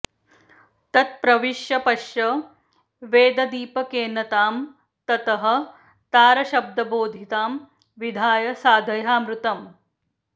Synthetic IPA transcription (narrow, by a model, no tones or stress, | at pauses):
t̪ɐt̪̚pɾɐʋiʃjɐpɐʃjɐ | ʋeːd̪ɐd̪iːpɐkeːnɐt̪aːm | t̪ɐt̪ɐɦɐ̆ | t̪aːɾɐʃɐb̚d̪ɐboːd̪ʱit̪aːm | ʋid̪ʱaːjɐsaːd̪ʱɐjaːmɾut̪ɐm